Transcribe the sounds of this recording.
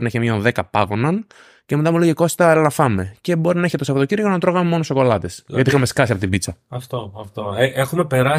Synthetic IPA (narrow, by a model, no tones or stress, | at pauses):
ɾinɐeçemɲoðe̞kɐpɐɣo̞nɐn | cemet̪ɐmuleʝiko̞st̪ɐllɐfɐme̞ce̞bo̞ɾinɐçet̪esɐfot̪ociɾʝonɐt̪ɾo̞ɣɐme̞mo̞noso̞ko̞lɐt̪esʝɐt̪iixɐme̞skɐsiɐpot̪ibit͡sɐɐft̪oɐft̪oeʔexumepe̞ɾɐ